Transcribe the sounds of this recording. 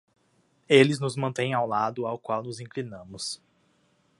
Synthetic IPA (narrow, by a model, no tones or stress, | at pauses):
elɪznʊzmɐ̃nt̪ẽj̃awlad̪ʊawkwawnʊzĩŋklinɐ̃mʊs